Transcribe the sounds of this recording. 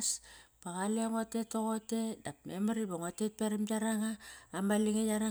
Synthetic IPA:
spaɣaleoŋo̞te̞toɣo̞te̞dapmemaɾiboŋotet̚peɾimjaɾaŋaːmaliŋejaɾa

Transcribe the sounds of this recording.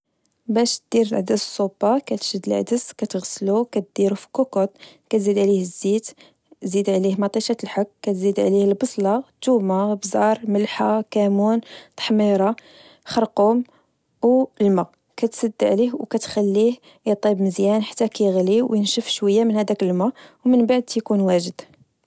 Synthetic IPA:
bæʃt̪̚d̪iɾəlʕd̪əssˤːubɑkæt̪ʒəd̪əlʕ̰d̪əskæt̪ɣəslukæt̪̚d̪̥iɾufi̥kukot̪̚ˤ | kæt̪zid̪ʕlihəzːit̪ | zid̪ʕlihmɑt̪ˤiʃɑt̪əlħakːæt̪zid̪ʕlihəlbɑsˤlɑt̪umabzɑɾˤməlħakæmunt̪ˤɑ̥ħmiɾˤɑ | xɑɾqum | wlma | kæt̪səd̪ːʕlihwkæt̪xælːih | jət̪ˤibməzjænħḁt̪ːækæjɣliwjənʃəfʃwəjːamənhæd̪ækəlmæwmənbaʕd̪jkunwæʒəd̪

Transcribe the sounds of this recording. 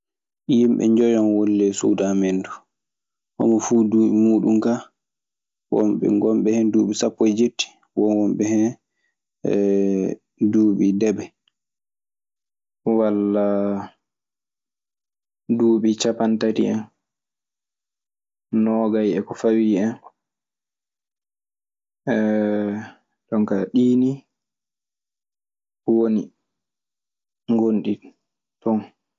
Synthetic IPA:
jimɓɛ̰ɲd͡ʒɔjɔnwolːɛsṵːdamendu | ʔɔ̰mɔfuːduːɓimuːɗumka | wɔ̰mɓɛ̰ŋɡɔmɓɛhɛnduːɓisapːɔjd͡ʒeɾti̥ | wɔnwɔmɓɛhɛn | duːɓidɛbɛ | walːa | duːɓit͡ʃapantatḭɛn | nɔːɡajɛkɔfawiɛn | ʔɛ | ɗɔŋkaɗiːni | woni | ŋɡonɗi | tɔn

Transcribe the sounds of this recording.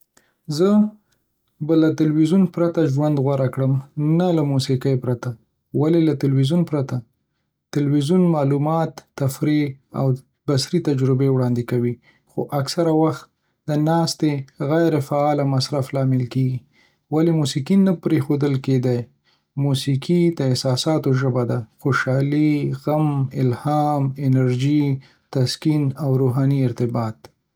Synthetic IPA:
zə | balat̪ɪlwizunpɾat̪aʒwand̪ɣwaɾakɽəmnalamusikəjpɾat̪a | walelat̪ɪlwizunpɾat̪a | t̪ɪlwizunmɑlumɑt̪ːafɾia̰w | basɾit̪ad͡ʒɾɪbewɽɑnd̪ɪkawi | xoʔaksaɾawaxt̪̚ | d̪ənɑst̪eɣajɾefaɑlamasɾaflɑmɪlkeɡi | walemusikinapɾexod̪əlked̪aj | musikʰid̪əɪhsɑsɑt̪oʒəbad̪axoʃɑliɣamɪlhɑmɪnaɾʒi | t̪askinawɾoɦɑniɪɾt̪ɪbɑt̪̚

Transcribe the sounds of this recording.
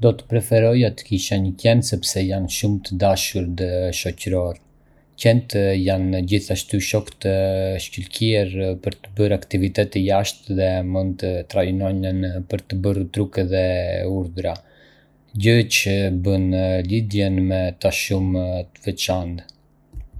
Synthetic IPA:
d̪ɔt̪ə̥pɾɛfɛɾɔjat̪ə̥kiʃaɲəcɛnsɛpsɛjanʃumt̪əd̪aʃuɾd̪əʃɔcəɾɔɾ | cɛnt̪janɟiθaʃt̪yʃɔkt̪əʃcəlcɛɛɾpəɾt̪əbəɾakt̪ivit̪ɛt̪ijaʃt̪ðɛmund̪t̪ət̪ɾajinɔɲənpəɾt̪əbəɾt̪ɾukɛðɛuɾðɾa | ɟət͡ʃəbənlid̪jɛnmɛt̪aʃumt̪əvɛt͡ʃand̪

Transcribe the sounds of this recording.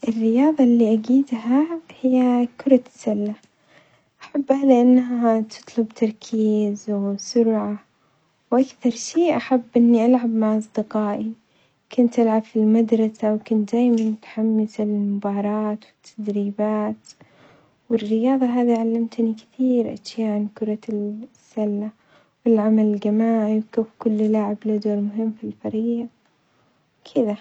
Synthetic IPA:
ʔɪrːɪjɑːðˤɑlːiʔaɡiːd̪ɦahɪjːakʊɾˤɑt̪salːa | ʔaħabːhalɪʔanːɦaat̪ʰɨ̥t̪ˤlʊbt̪ʰɑɾˤkʰiːzwsʊɾʕa | wʔakθɑɾˤʃiːʔaħabːʔɪnːiʔalʕabmaʕʔɑsˤd̪ɪqɑːʔi | kʊnt̪ʔalʕabfilmad̪ɾˤɑsawkʊnt̪d̪aːjmanʊt̪ħamːɪsalɪlmʊbɑːɾˤɑːt̪wɪt̪ʰːad̪ɾiːbaːt̪ | wɪrːɪjɑːðˤɑɦaːðiʕalːamt̪nikɪ̥θiːɾʔa̰ʃjaːʔʕankʊɾˤɑsːalːa | wɪlʕamalɪlɡamaːʕiwkafkʊlːlaːʕɪblad̪oːɾmʊɦɪmːfilfɑɾiː | wkʰɪða

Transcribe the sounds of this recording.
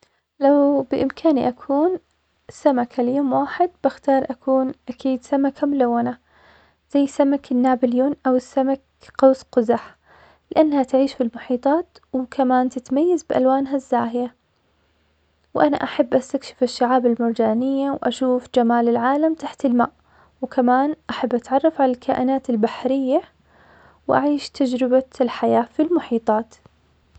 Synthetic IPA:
lawbɪʔɪmkʰaːniʔakʰuːn | samakʰaljoːmwaːħɪd̪̚bɪxt̪ɑːɾˤʔakʰuːnʔakʰiːd̪samakʰamʊlawːana | z̥ajːsamakɪnːaːbɪljuːnʔawɪsːamak | qɑwːsqʊzaħ | lɪʔanːhat̪ʕiːʃfilmʊħiːt̪ˤɑːt̪wkʰamaːnt̪ɪt̪majːazbɪʔa̰lwaːnɦazːaːhɪja | wʔana̰ʔaħabːʔast̪akʃɪ̥fɪʃːaʕaːbɪlmʊɾˤd͡ʒaːnɪjːawʔa̰ʃuːfd͡ʒamaːlɪlʕaːlamt̪aħt̪ɪlmaːʔ | wkʰamaːnʔaħabːʔat̪ʕɑrˤːɑfʕalalkʰaːʔɪnaːt̪ɪlbaħɾɪjːa | wʔa̰ʕiːʃt̪ʰad͡ʒɾɪbalħajaːfilmʊħiːt̪ˤɑːt̪

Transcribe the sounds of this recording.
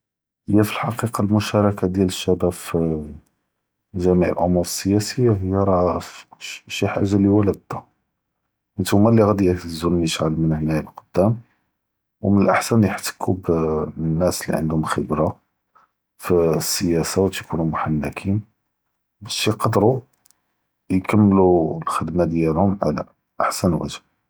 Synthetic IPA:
həjːæfilħɑqiqɑlmʊʃɑɾˤɑkad̪jæləʃːæbæf | ʒæmiʕə̰lʔʊmːuəsːəjæsəjːaɦəjːæɾˤɑfʃiħa̰ʒaliwælæb̚d̪a | ʔənt̪hʊmːælːiɣæd̪iækzulniəʃʕalmənhnæjəbqod̪̥ːæm | wmənəlʔa̰ħsænjəħt̪ə̥kʰubnːæslḭʕə̰nd̪hʊmxəbɾa | fisːəjæsawt̪kunumʊħanːækʰin | bæʃiqɑd̪ɾu | jkəmːlulxəd̪mad̪jælhʊmʕa̰læ̰ | ʔaħsænwæ̰ʒəb̚

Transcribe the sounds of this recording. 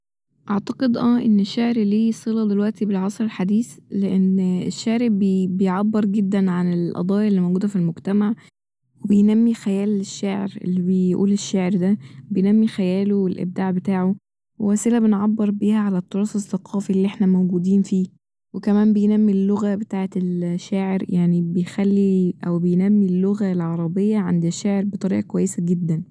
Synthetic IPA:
ʔɑʕt̪ɑqed̪ʔæːʔenːeʃːaʕɾliːsˤelɑd̪elwæʔt̪ibelʕɑsˤɾelħad̪iːθleʔenḛʃːaʕɾibbejʕabːeɾˤɡed̪ːænʕanelʔɑ̰d̪ˤɑːjlːiːmowɡuːd̪æfilmoɡt̪æmaʕ | webejnæmːixæjæːleʃːaːʕḛɾḛlːibejʔṵːleʃːaːʕeɾd̪æbejnæmːixæjæːlowelʔḛb̚d̪aːʕbet̪aːʕo | wewæːselæbenʕabːeɾbiːhæʕalæt̪ːɑɾˤɑːsesːɑqʰɑːfilːiʔeħnæmowɡuːd̪iːnfiː | wekæmæːmbejnæmːilːoɣæbet̪aːʕet̪elʃaːʕeɾjaʕnibejxælːiʔæwbejnæmːilːoɣælʕɑɾˤɑbejːɑʕand̪æʃːaːʕeɾbet̪ˤɑɾḭːʔɑkowæjːesæɡed̪ːæn

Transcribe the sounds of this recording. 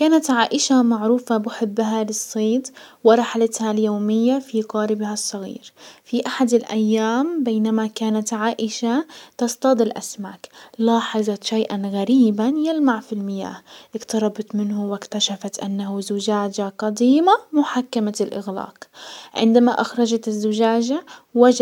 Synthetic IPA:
kaːnat̪ʕaːʔɪʃamaʕɾuːfabɪħɪbːɦalɨsˤːeːt̪wɪɾˤɑħalat̪haljoːmɪjːafiqɑːɾɪbhasˤːɑɣḭːɾfiʔaħad̪ɪlʔajːaːmbeːnamakaːnat̪ʕaːʔɪʃat̪ɑst̪ɑd̪ˤɪlʔa̰smaːklɑːħɪðˤɑt̪ʃajʔanɣaɾiːbanjalmaʕfilmɪja̰ːhʔɪkt̪ɑɾˤɑbɑt̪ˤmɪnhʊwɪkt̪aʃafat̪ʔanːahuzʊd͡ʒaːd͡ʒaqɑd̪iːmamʊħakːamalʔɪ̰ɣla̰ːqʕɪ̰nd̪amaʔaxɾˤɑd͡ʒat̪ɪzːʊd͡ʒaːd͡ʒawad͡ʒ

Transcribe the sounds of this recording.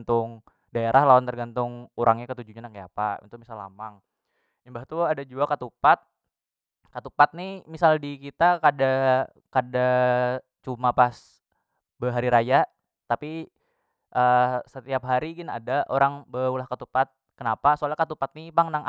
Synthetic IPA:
t̪ʊŋ | daeɾʔahlawant̪ərɡant̪ʊŋuɾʔaŋɲakət̪ud͡ʒuɲanakaja̰paḭt̪umisalːa̰maŋ | imbaht̪uadad͡ʒuakat̪upat̪̚ | kat̪upat̪̚nimisaldikit̪akada | kada | t͡ʃumapas | bəɦaɾiɾaja | t̪api | ʔəsət̪iap̚ɦaɾiɡɪna̰daʔoɾaŋbəulahkat̪upat̪̚kənapasoalakat̪upat̪̚nipaŋnaŋʔ

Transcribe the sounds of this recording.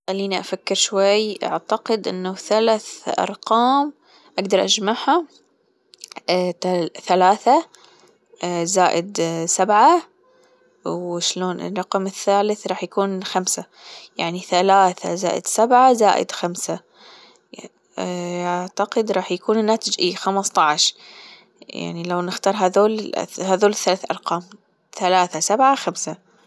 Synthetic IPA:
xalːiːniʔafakːɪɾʃwajːʔa̰ʕt̪aqɪd̪ʔɪ̰nːaθalaθʔɑ̰ɾˤqɑːm | ʔaɡd̪ɑɾˤʔad͡ʒmaħha | aθalaːθa | zaːʔɪd̪sabʕa | wʃloːnɪ̰rˤːɑqmɪθːaːlɪθɾˤɑːħjakuːnxamsa | jaʕniθalaːθa̰za̰ːʔɪ̰d̪sabʕazaːʔɪ̰d̪xamsa | aʕt̪aqɪd̪ɾˤɑːħjakuːnnːaːt̪ɪd͡ʒʔiːxamɑsˤt̪ˤɑʕʃ | ja̰ʕnilawnɪxt̪ɑːɾˤɦaðoːl̰haːðoːlɪθːalaːθʔɑɾˤqɑːm | θalaːθasabʕaxamsa

